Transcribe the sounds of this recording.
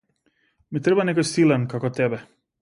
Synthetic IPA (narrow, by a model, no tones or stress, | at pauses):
mit̪ɾɛbanɛkɔjsilɛnkakɔt̪ɛbɛ